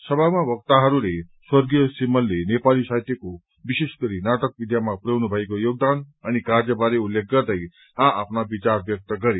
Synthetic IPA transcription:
sʌbʱamabʌk̚t̪aɦʌɾuleswʌrɡijʌsimʌlːenepalisajt̪eko | biseskʌɾinaʈʌk̚bid̪ʱjamapuɾʌwnubʱʌekojoɡ̚d̪anʌnikaɾd͡zʌbaɾeulːek̚ɡʌrd̪ʌj | ɦãʔapʰnabit͡sarbjʌk̚t̪ʌɡʌɾe

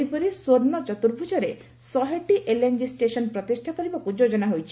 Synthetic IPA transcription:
ipɔɾisoɾnɔt͡ʃɔt̪uɾbʱud͡ʒɔɾe | sɔɦeʈiʔelend͡ʒisʈesɔnpɾɔt̪isʈʰakɔɾibapud͡ʒod͡ʒɔnaɦojt͡ʃʰi̥

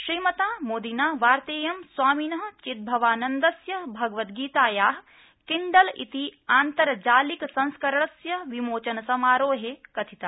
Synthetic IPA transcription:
ʃɾiːmɐt̪aːmoːd̪inaːʋaːɾt̪eːjɐmswaːminɐɦɐ̆t͡ʃit̪̚bʱɐʋaːnɐnd̪ɐsjɐbʱɐɡɐʋɐt̪ɡiːt̪aːjaːɦ | kiɳɖɐlḭt̪iaːnt̪ɐɾɐd͡ʒaːliksɐ̃nskɐɾɐɳɐsjɐʋimoːt͡ʃɐnɐsɐmaːɾoːɦekɐt̪ʰit̪aː

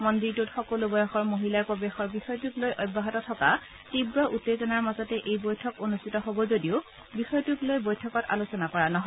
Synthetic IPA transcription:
mɔndiɹtutxɔkolubɔjɔxɔɹmoɦilapɔbexɔɹbixɔjtuklojʔɔbːaɦɔtɔtʰɔka | tibɹɔʔutːezɔnaɹmazɔtɛʔejbojtʰɔkonustʰitɔɦobɔzodiʊ | bixɔjtuklojbojtʰɔkɔta̰losɔnakɔɹanɔɦɔj

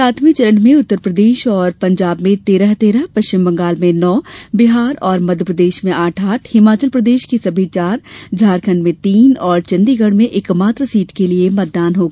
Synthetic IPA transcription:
saːt̪ʰmit͡ʃɐlə̃ɳʈmẽʊt̪ːəɾpɾəd̪eːʃɔːɾpɐ̃ɲd͡ʒaːbmẽt̪eːɾəɦt̪eːɾəɦpɐʃt͡ʃɪmbɐ̃ŋɡaːlmẽnɔːbɪɦaːɾɔːɾmɐd̪ʱjəpɾəd̪eːʃmẽaːʈʰaːʈʰhɪmaːt͡ʃəlpɾɐd̪eːʃkisɐbʱit͡ʃaːɾd͡ʒʱaːɾkʰənmẽt̪iːnɔːɾt͡ʃɐ̃nd̪iɡɐɽmẽʔɪkmaːt̪ɾəsiːʈkeliemɐt̪̚d̪aːnɦoːɡa

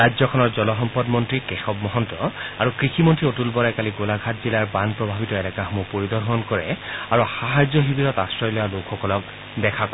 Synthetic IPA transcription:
ajzɔkʰɔnɔɹzɔlɔɦɔmpɔdmɔntɹikexɔbmɔɦɔntɹɔaɹukɹixʰimɔntɹiotulbɔɹajkaliɡolaɡʱatzilaɹbanpɹɔbʱabitɔɛlɛkaxɔmupoɹid̪ɔɹɦɔnkɔɹɛ̰aɹuxaɦajzɔɦibiɾɔtastɹɔjlɔjalokʰxɔkɔlɔk̚ | dɛkʰakɔ

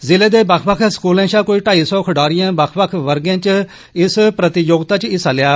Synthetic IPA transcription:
zɪleːd̪eːbəkʰbəkʰskuːlãːʃãːkoːiːʈaːiːsɔːkʰəɖaːɾɪjãːbəkʰbəkʰʋəɾɡãːt͡ʃ | ɪspɾət̪ɪjoːɡt̪aːt͡ʃɪsaːlɪjaː

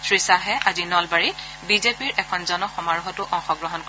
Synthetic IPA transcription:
sʰɹisaɦɛʔazinɔlbaɹit | bizepiɹɛkʰɔnzɔnɔxɔmaɹxɔtʊʔɔŋxɔɡɹɔɦɔnkɔ

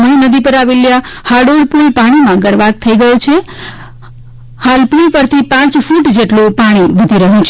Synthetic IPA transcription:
məinəd̪ipəɾaʋeljahaɖolpulpaɽ̃imãɡəɾʋaɡ̚t̪ʰəiɡəjũt͡ʃʰe | halpulpəɾt̪ʰipãt͡ʃfuʈd͡ʒeʈlopaɽ̃iʋəd̪ʱiɾəɦjũt͡ʃʰ

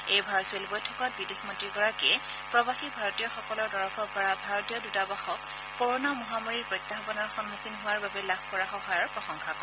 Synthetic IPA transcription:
ejbʱaɹɔsʊelbɔjtʰɔkɔt̚bidexmɔntɹiɡɔɹakɛ | pɹɔbaxibʱaɹɔtijɔxɔkɔlɔɹdɔɹɔfʰɔɹpɔɹabʱaɹɔtijɔdutabaxɔkː | ɔɹonamɔɦamaɹiɹpɹɔjt̪ːaɦɔbɔnɔɹxɔnmukʰinɦʊwaɹbabɛlabʱkɔɹaxɔɦajɔɹpɹɔxɔŋkʰakɔ

